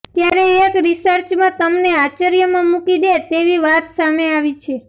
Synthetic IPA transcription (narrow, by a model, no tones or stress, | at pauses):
t̪jaɾeːkɾisəɾt͡ʃmãt̪əmneat͡ʃəɾjəmãmukid̪et̪eʋiʋat̪sameaʋit͡ʃʰe